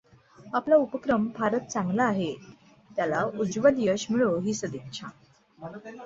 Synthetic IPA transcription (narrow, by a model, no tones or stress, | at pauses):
aplaupəkɾəmbʱaɾət̪̚t͡sãŋɡlaːɦe | t̪jalaud͡zʋəd̪ijəɕmiɭoɦiːsəd̪ikʂʰa̰